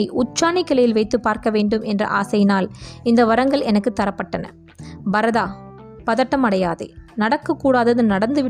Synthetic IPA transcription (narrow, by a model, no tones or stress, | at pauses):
ɪʔʊt͡ʃːaːnɪkːɐlɐjɪlʋɐɪt̪ːɯpːaːɾkɐʋeːɳɖɯmʔɛndrɐ̰ʔa̰ːsɐjɪnaːlɪnd̪ɐʋɐɾɐŋɡɐɭɛnɐkːɯt̪ːɐɾɐpːɐʈːɐnɐ̰ | bɐɾɐðaː | pɐðɐʈːɐmɐɽɐjaːðɐ̰ɪnɐɽɐkːɐkːuːɽaːðɐðɯnɐɽɐnd̪ɯʋɪ